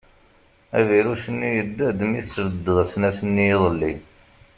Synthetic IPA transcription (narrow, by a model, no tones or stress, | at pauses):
æ̰viɾusənːijəd̪ːæd̪əmiθsvəd̪ːəðsnæsənːijiðˤəlːi